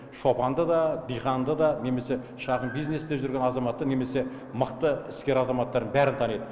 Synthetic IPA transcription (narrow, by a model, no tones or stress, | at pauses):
ʃo̞pɑnd̪əd̪ɑb̪ijχɑnd̪əd̪ɑne̞me̞se̞ | ʃɑʁənbijzne̞sd̪eʒʏɾɡʲe̞nɑzɑmɑt̪ːəne̞me̞se̞ | məqt̪əɪskʲe̞ɾɑzɑmɑt̪ːɑɾd̪ənbæɾɪnt̪ʰɑnejd̪ə